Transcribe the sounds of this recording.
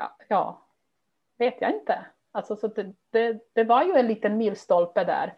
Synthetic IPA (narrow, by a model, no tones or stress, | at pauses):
jɑ̰ː | veːt̪ʰja̰ɪnt̪ə | alsɔsɔd̪ɛd̪̥ɛd̪̥ɛvaɾjɵɛnliːt̪ənmiːlst̪ɔlpəd̪æ̰ːɾ